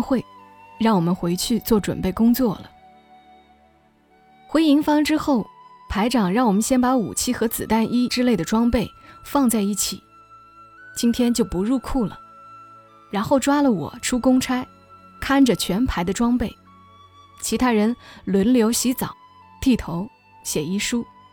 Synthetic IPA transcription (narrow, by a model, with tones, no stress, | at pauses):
xwe˥˧ɪ | ɻɑ˥˩ŋwɔ˨˩mə˦nxwe˧˥ɪt͡ɕʰy˥˧t͡swɔ˥˩ʈ͡ʂwə̰˨˩npe˥˩ɪkʊ˥ŋt͡swɔ˥˩lə̰˩ | xwe˧˥ɪi˧˥ŋfɑ˥ŋʈ͡ʂɻ̩˥xo˥˩ʊpʰa˧˥ɪʈ͡ʂɑ˨˩ŋɻɑ˥˩ŋwɔ˨˩mə˦nɕjɛ˥npa˧˥ṵ˨˩t͡ɕʰi˥˩xɤ˧˥t͡sɹ̩˨˩t̪a˥˩ni˥ʈ͡ʂɻ̩˥le˥˩ɪd̪ə˩ʈ͡ʂwɑ˥ŋpe˥˩ɪfɑ˥˧ŋt͡sa˥˧ɪi˥˩t͡ɕʰḭ˨˩˦ | t͡ɕi˥nt̪ʰjɛ˥nt͡ɕjo˥˩ʊpu˧˥ɻu˥˧kʰu˥˩lə̰˩ | ɻa˧˥nxo˥˩ʊʈ͡ʂwa˥lə˨wɔ̰˨˩˦ʈ͡ʂʰu˥kʊ˥ŋʈ͡ʂʰa˥ɪ | kʰa˥˩nʈ͡ʂə˩t͡ɕʰɥɛ˧˥npʰa˧˥ɪd̪ə˧ʈ͡ʂwɑ˥ŋpe˥˩ɪ | t͡ɕʰi˧˥t̪ʰa˥ɻə˧˥nlwə˧˥nljo˧˥ʊɕi˧˥t͡sɑ̰˨˩˦ʊ | t̪i˥˩t̪ʰo˧˥ʊ | ɕjɛ˨˩i˥ʂu˥